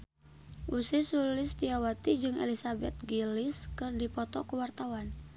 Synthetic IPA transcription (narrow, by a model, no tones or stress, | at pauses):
ʔusisulɪst̪iawat̪id͡ʒɨŋɛ̰lisabɛt̪̚ɡilɪskɨrdipɔt̪ɔkuwart̪awan